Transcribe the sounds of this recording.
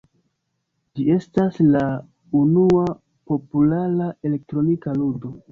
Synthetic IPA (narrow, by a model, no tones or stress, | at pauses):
d͡ʒie̞stasla | unua | po̞pulaɾae̞le̞k̚tɾo̞nikaludo̞